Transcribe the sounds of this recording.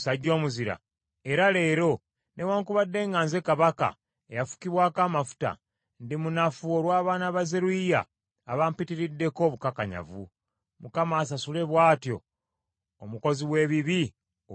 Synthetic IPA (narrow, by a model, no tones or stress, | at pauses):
saɟːo̞ːmuziɾa̰ | e̞ɾale̞ːɾo̞ | ne̞waːŋkuβadːe̞ːŋɡaːnze̞kaβaka̰ | ejafu̥kiβwaːkaːmafu̥ta̰ | ndimunafuoɾwaːβaːnaβazeɾuija̰ː | βampitiɾidːe̞ko̞ːβukakaɲa̰vṵ | mukamaːs̬asule̞βwaːtjo̞̰ː | muko̞ziβwe̞ːβiβi